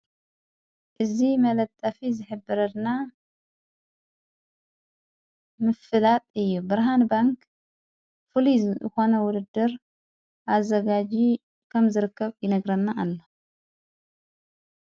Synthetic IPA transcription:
ʔɨzimɐlɐt̪ʼːɐfizɨħɨbːɨɾɐd̪na | mɨfɨlat̪ʼɨjːubɨɾɦanbaŋk | fɨliɨ̰xo̞nɐwʊd̪ɨd̪ːɨɾ | ʔazɐɡad͡ʒi | kʰɐmzɨɾɨkːɐβjɪnɐɡɾɐnːaʔːlːo

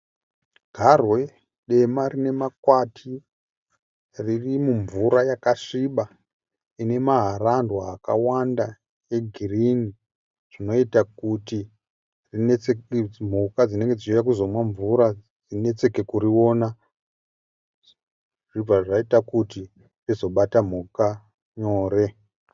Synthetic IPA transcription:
ɡʱarwe̞ | ɗe̞marine̞makwatʰi | ririmuɱvuɾajakaʂiɓa | ine̞maɦarandwaːka̰wanda | e̞ɡʱirini | ʐ̥ino̞itakuti | rineem̤ukad͡zine̞ŋɡed͡zit͡ʃejak̬uzo̞mwaɱvuɾad͡zine̞t͡se̞ke̞kuɾiwo̞na | ʐib͡vaʐaitakuti | rizo̞ɓatam̤uka | ɲo̞ːre̞

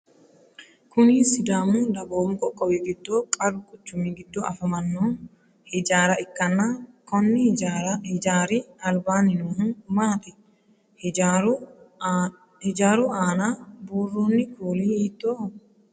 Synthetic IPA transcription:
kʊniːsɪd̪aːmʊd̪ɐboːmkʼɔkʼːɔwiɡɪd̪ːoːkʼɐɾʊkʼʊt͡ʃːʊmiːɡɪd̪ːoʔɐfɐmɐnːoː | hɪd͡ʒaːɾɐɪkːɐnːaːkɔnːɪ | aːɾɪɐlbaːnːɪnoːhɪnmaːt̪ɪ | hɪd͡ʒaːɾʊaːnabuːrːoːnːɪkuːliiːt̪ːoː

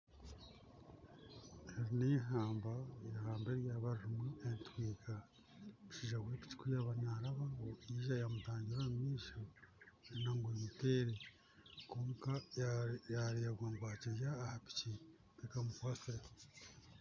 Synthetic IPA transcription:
heɾineɦaːmbaeɾhaːmbeɾjaβaɾɾumuentwiːka | uʃiʒawepi̥ci̥kujaβanaɾaβaβoiʒajamutaːɲɟiɾaumiːʃaɾinaŋɡuɾimuteɾe | koːŋka | jaɾijaɡwaːŋɡwaːcijaːhapi̥ci | tekamukwase

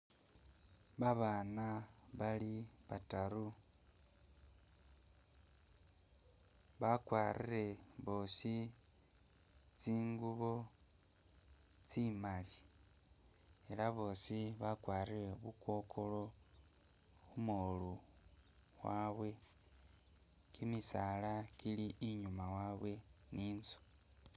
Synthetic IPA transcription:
βaβaːnaβaliβataɾu | βakwaːrʔiɾe̞βo̞ːsi | t͡siːŋɡuβo̞ | t͡simali | elaβo̞ːsiβakwaːrire̞βukwo̞ːkʰo̞lo̞ | xumolu | waːβwe̞ | kimisalakiliʔːɲumawaβwe̞niːnzo̥

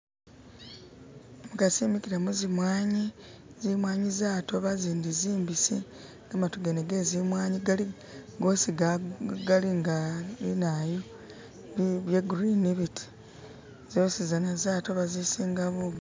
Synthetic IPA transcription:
mukasiːmikiɾamuzimwaːɲizimwaːɲizaːto̞βaziːndiziːmbisi | ŋɡamatoɡeneɡe̞zimwaːɲiɡali | ɡoːsiɡɡaliŋɡalḭnajo | βjeɡuɾiniβiti̥ | z̥oːsizanazaːto̞βazisiːŋɡaβuɡ

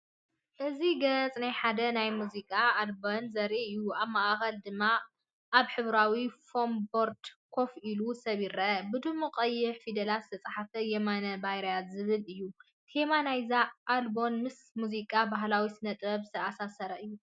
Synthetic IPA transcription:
ʔɨziɡɐt͡sʼnajħad̪ɐnajmuzikʼaːlbonzɐɾʔiɨjːuaβmaʔxɐld̪ɨmːa | ʔaβħɨβɾawifombo̞ɾd̪kʰo̞filusɐβiɾɐbɨd̪ɨmːuqʼɐjːɪħfid̪ɐlat̪zɨ̥t̪ʰɐt͡sʼaħafɐjɛmanɐbajɾajazɨβɨlɨjːu | t̪emanajzaʔːlbo̞nmɨs | muzikʼabaɦlawisɨnɐt̪ʼɐβzɨt̪ʰɐasasɐɾɐʔɨjːu

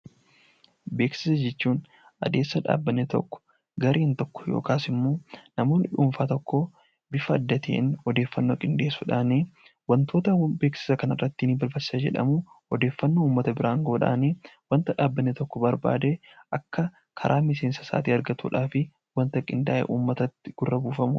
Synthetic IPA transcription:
be̞ːksɪsɐd͡ʒɛt͡ʃːuːn | ʔɐ̰d̪e̞ːsːɐᶑa̰ːbːɐnːet̪ɔ̰kːɔ̥ | ɡɐɾeːnt̪ɔkːɔ̥jo̰ːkaːsɪmːoːnɐmo̞ːnʔɪᶑuːɱfaːt̪ɔkːo | bɪfɐɐd̪ːɐt̪ḛːnɔd̪eːfːɐnːoːkʼɪnd̪eːsːuːᶑaːneː | wɐnt̪o̞ːt̪ɐbe̞ːksɪ̥sɐkɐnɐrːɐt̪ːɪnːbɐɾbɐɪ̥sad͡ʒɛ̰ᶑɐ̰muɔd̪e̞ːfːɐnːo̞ːuːmːɐt̪ɐbɪɾaːŋɡo̞ːᶑa̰ːneːwɐnt̪ɐᶑaːbːɐnːet̪ɔkːɔbɐɾba̰ːd̪e | ʔɐkːɐ | kʰɐ̰ɾʔaːmɪse̞ːnsɐ̥sa̰ːt̪iːɐɾɡɐt̪ṵːᶑaːfɪ | wɐnt̪ɐkʼɪnd̪a̰ːʔḛʔuːmːɐt̪ɐt̪ːɪɡ̥ʊrːɐbuːfɐmṵ

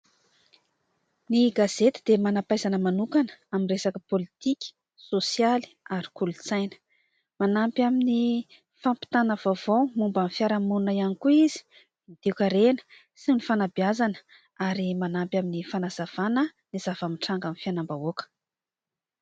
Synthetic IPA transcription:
niɡazet̪id̪̥emanapajzanəmanukanə̥amiresakəpolit̪ikʲi̥ | sosjali̥aɾi̥kulut͡sajnə̥ | manampjamini | fampi̥t̪anəvavowmumbamfjaɾamununaianikuizi̥ | id̪̥eukʲəɾenə̥ | sinifanabiazanə̥ | aɾimanampjaminifanaz̥av̥anə | niz̥avamiʈ͡ʂaŋɡanifjanambaokə̥

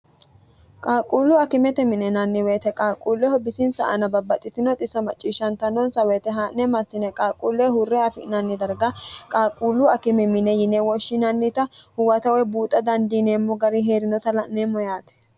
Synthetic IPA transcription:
kʼaːkʼuːlːʊɐkɪmɛt̪ɛmɪnɛnɐnːɪweːt̪ɛkʼaːkʼuːlːɛhɔbɪsɪnsɐ̰ʔɐ̰nɐbɐbːɐt̪ʼːɪt̪ɪnɔt̪ʼɪsɐmɐt͡ʃʼːiːʃːɐnt̪ɐnɔnsɐweːt̪ɛɦaːʔnɛmɐsːɪnɛkʼaːkʼuːlːɛhʊrːɛɐfɪ̰nɐnːɪd̪ɐɾɡɐkʼaːkʼuːlːʊɐkɪmɛmɪnɛjɪnɛwɔʃːɪnɐnːɪt̪ɐhʊwɐt̪ɐwɛbuːt̪ʼɐd̪ɐnd̪ineːmːɔɡɐɾiɦe̞ːɾɪnɔt̪ɐlɐʔnemɔjaːt̪ɛ̥

